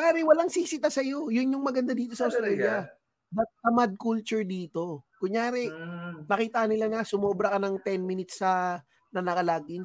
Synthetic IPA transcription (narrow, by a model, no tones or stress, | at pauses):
aːɾɛwɐlaŋsiːsɪt̪asɐjo̞jʊnjʊŋmɐɡɐnd̪ad̪iːt̪o̞sɐʔɐwst̪ɾalja | bɐt̪̚sɐmad̪̚kult͡ʃʊɹd̪iːt̪o̞kʊŋjaːɾɛnɐkiːt̪ɐɐnɪlanasʊmobɾɐkɐnɐŋt̪ɛnminɪt̪sɐ | nɐnɐkɐlaːɡɪn